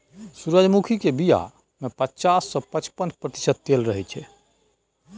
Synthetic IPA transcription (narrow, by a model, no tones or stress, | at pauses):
suɾəd͡ʒmukʰikebija̰ | mepətːt͡ʃasːɔ̃pət͡ʃpənpɾət̪i̥səd̪̚t̪elɾəɦɛt͡ʃʰɛ